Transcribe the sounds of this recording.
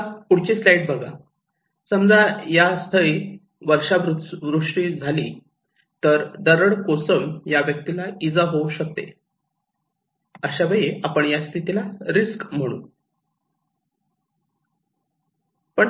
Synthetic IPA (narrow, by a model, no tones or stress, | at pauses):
puɽ̤t͡ɕeslaiʈ̚bəɡa̰ | səmd͡zajast̪ʰəi | ʋəɾʂaʋɾuʋɾuʂʈiːd͡zʱaliː | t̪əɾd̪əɾəɽkosəmjaʋjək̚t̪ilaid͡zaɦowɕək̚t̪ḛ | əɕabəjiapəɳjast̪ʰit̪ilaɾiskm̤əɽ̃ṵː | pəɳ